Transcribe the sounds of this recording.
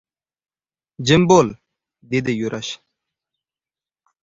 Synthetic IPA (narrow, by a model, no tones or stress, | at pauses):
d͡ʑimboːl | d̪id̪ejuɾʔɐɕ